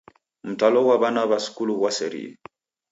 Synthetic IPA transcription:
m̩talɔwaβanaβasu̥kuluwasɛɾḭḛ

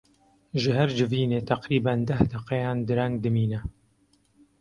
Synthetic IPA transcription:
ʒɨɦɛɾd͡ʒɨviːneːt̪ʰæqɾiːbænd̪æhd̪ɛqɛjɑːnd̪ɨɾɛŋɡd̪ɨmiːnɛ

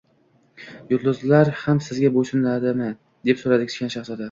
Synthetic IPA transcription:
jʊt̪lʊzlaɾhamsɪzɡʲaboʃɪnlad̪ɪmɪ | d̪e̞psoɾad̪ɪkʰʲɪ̥ʃkʲanʃaχsɒd̪a

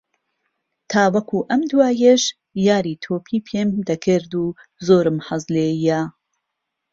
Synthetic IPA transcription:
t̪ʰaːwɐkʰuːʔɐmd̪waːjeʃ | jaːɾiːt̪ʰoːpʰiːpʰeːmd̪ɐkʰɨɾd̪uːzoːɾɨmhɐzleːjɛ

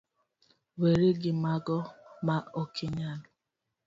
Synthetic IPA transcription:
weɾeɡɪmaɡɔmaokʰɪɲanʊ

